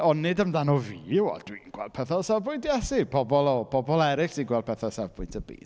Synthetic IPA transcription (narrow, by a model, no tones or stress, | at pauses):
ɔnːɪdəmdanɔviːɪwɔ̰d̥winɡwɛ̰ld̚pʰɛθɔlˠsavpʊjntjɛsibʰɔbɔlˠɔb̥ʰɔbɔlˠɛɾɪksiɡwɛlˠd̚pʰɛθɔlˠsɛvpʰʊɨntʰəbḭːd